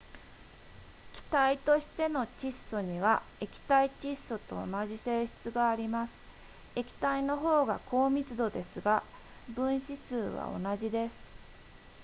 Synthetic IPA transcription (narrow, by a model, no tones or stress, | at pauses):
kʲi̥t̪ait̪o̞ɕi̥t̪e̞no̞t͡ɕisːo̞ɲ̟iβae̞kʲi̥t̪ait͡ɕisːo̞t̪o̞̰ːnaʑise̞ːɕi̥t͡sɨɡaːɾʲimasɨ̥ | e̞kʲi̥t̪aino̞ɦo̞ːɡakʰo̞ːmʲit͡sɨd̪o̞d̪e̞sɨɡa | bɯ̟̃ɰ̃ɕisɨːβa̰o̞̰naʑid̪e̞sɨ̥